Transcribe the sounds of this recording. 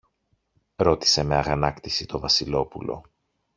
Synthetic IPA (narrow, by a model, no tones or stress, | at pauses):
ɾo̞t̪i̥se̞me̞ɐɣɐnɐkt̪isit̪o̞vɐsilo̞pulo̞̰